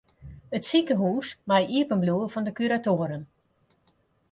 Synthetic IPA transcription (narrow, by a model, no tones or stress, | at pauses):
ətsikəɦuːsmajiəpənbluəfɔndəkyɾatoːəɾən